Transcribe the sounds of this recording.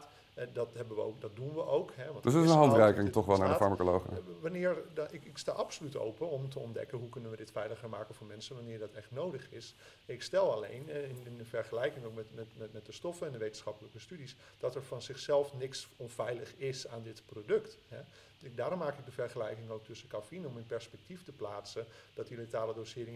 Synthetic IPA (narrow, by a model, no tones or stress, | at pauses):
dɑtɦɛbəʋəo̰wkdɑt̚dunʋəʔowkɦɛʋɑntdəsətɪsənɦɑntrɛjkɪŋtɔχʋɛlˠnaːɹdəfɑɹmakolowχə̰ʋanɪːɹɪkɪkstaːʔɑpsolyto̰wpənɔmtəɔndɛ̰kənɦukɵnənʋədɪtfɛjləχəɹmaːkənvʊːɹmɛnsənʋanɪːɹdɑtɛχtnowdəχɪs | ɪkstɛlˠalḛjnɪnɪndəfɛrχəlɛjkɪŋowkmɛtmɛtmɛtmɛt̚dəstɔfəɛndəʋejtənsχɑpələkəstydis | d̥ɑtɛɹfɔnzɪxsɛlˠfnɪksɔnvɛjləχɪsaːndɪtprowdɵktɦɛ | daːɾɔmːaːkɪɡ̚dəfɛrχəlɛjkɪŋowk̚tɵsəkafinɔmɪnpɛɹspɛk̚tiftəplaːsəd̥ɑtiletaːlədosɪːɾɪŋ